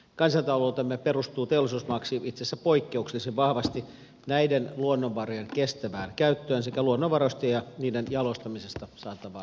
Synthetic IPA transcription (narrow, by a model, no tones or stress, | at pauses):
kɑnsɑt̪ɑlout̪emːeperust̪uːt̪eolːˑisuːsmɑksiit̪sesːæpoikːeukselːsiʋʋɑhʋɑst̪i | næidenluonːoʋʋɑrojenkest̪æʋæːnkæyt̪ːøːnsekæluonːoʋʋɑrost̪ejjɑniːdenjɑlost̪ɑmisest̪ɑsɑːt̪ɑʋɑ̰ː